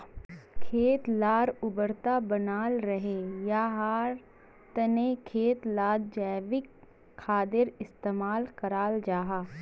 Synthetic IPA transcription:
kʰeːt̪laːɾʊbəɾt̪abənaːlɾɐɦejaːɦaːɾ | t̪ɐnekʰeːt̪laːd̪d͡ʒɛːʋɪkʰː | aːd̪ɪɾɪst̪eːmaːlkɐɾaːld͡ʒaːɦaː

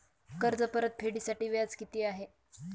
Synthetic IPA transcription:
kəɾd͡zəpəɾət̪̚fʰeɽiːsaʈiːʋjat͡skit̪iːaɦe

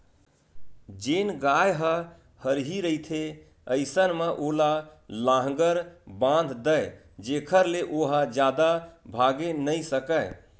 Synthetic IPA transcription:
d͡ʒenɡajɦə | həɾɦiɾəit̪ʰe | əɪsənmeʔolalãɦɡəɾbãnd̪ʱd̪əj | d͡ʒekʰəɾleʔoɦəd͡ʒjad̪abʱaɡenəjsəkə

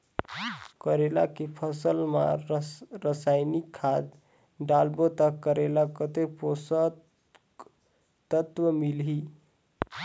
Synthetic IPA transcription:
kəɾela̰kepʰəsəlma̰ | ɾəsajnikʰːad̪ | ɖalbot̪əkəɾelakət̪eposə | t̪ət̪ʋəmilɦi

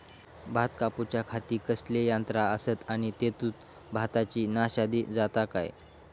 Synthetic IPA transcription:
bʱat̪kaput͡ɕjakʰat̪iːkəslejant̪ɾaəsət̪añit̪et̪uːt̪ | bʱat̪at͡ɕiːnaɕad̪iːd͡zat̪aka̰j

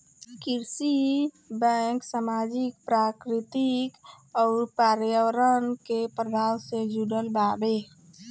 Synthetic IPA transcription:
kiɾsi | bɛŋksamad͡ʒik̚pɾakɾit̪ik | ɔːɾpaɾjəwɾənkepɾəbʱawsed͡ʒuɽəlbabe

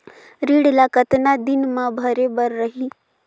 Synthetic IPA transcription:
ɾiːɽlakət̪nad̪ɪnmãbʱɐɾebəɾːəɦiː

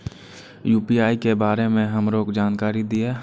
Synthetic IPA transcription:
juːpiaːikebaːɾemẽɦəmɾoːkd͡ʒaːnkaːɾid̪ie

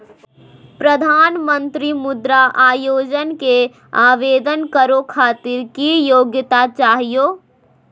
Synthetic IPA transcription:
pɾəd̪ʱaːnmə̃nt̪ɾimʊd̪ɾaʔaːjoːd͡ʒənke | aːʋeːd̪ənkəɾokʰaːt̪ɪɾkijoːɡjt̪at͡ʃaːɦijoː

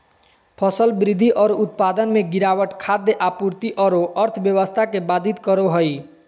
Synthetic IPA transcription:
pʰəsəlbɾid̪ʱːiʔɔɾout̪̚pad̪ənmeɡiɾawəʈkʰad̪ːeʔapuɾt̪iʔɔɾoʔəɾt̪ʰbjəʋəst̪ʰakebad̪ʱit̪kəɾoɦəj

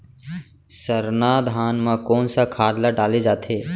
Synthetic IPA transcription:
səɾnaːd̪ʱaːnmãkoːnsakʰaːd̪laɖaːled͡ʒaːt̪ʰeː

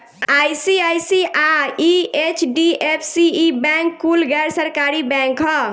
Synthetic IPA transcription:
ajsiajsiʔaiet͡ʃɖiepʰsiːbɛ̃ŋkːulɡɛɾsəɾkaɾibɛ̃ŋkɦɔ

